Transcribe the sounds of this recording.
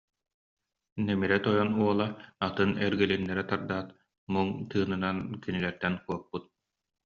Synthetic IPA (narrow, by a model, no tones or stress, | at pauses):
nɛmiɾɛt̪ɔjɔnuɔlˠaat̪ɯnɛɾɡɛlinːɛɾɛt̪aɾd̪aːt̪ | muŋt̪ɯːnɯnankinilɛɾt̪ɛnkuɔk̚put̪̚